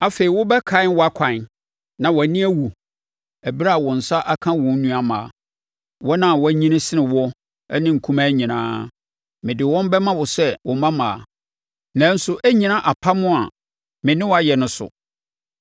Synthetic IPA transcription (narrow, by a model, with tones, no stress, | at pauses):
a˨fe˨ɾi˨wʊ˦bɛ˦kʰã˦wɔ˦a˦kʰã˨n | nã˨wɔ˨nĩ˦æ˦wu˨ | æ˨bi˦ɾa˦a˨wɔ˨n̩˨sa˦ʔa˦kʰã˦wɔ̃˨n̩˦nũ˦a˨mãː˨ | wɔ˦nã˦˨wɔ˦æ˦ɲĩ˦nã˦sɪ˦nɪ̃˨wɔ˦ | nɪ̃˦ŋ̩˨kʰũ˦mã˦ɲĩ˨nã̰ː˦ | mɪ̃˨dɪ˨wɔ̃˦m˦bɛ˦mã˦wɔ˨sɛ˦wʔɔ˨mã˦mãː˨ | nã˨˦n̩˦sʊ˦ʔæ˦ɲĩ˨nã˦ʔa˨pʰa˦mʊ̃˦a˨ | mɪ̃˨nɪ̃˦wa˦jɛ˨nʊ̃˦sʊ̰˨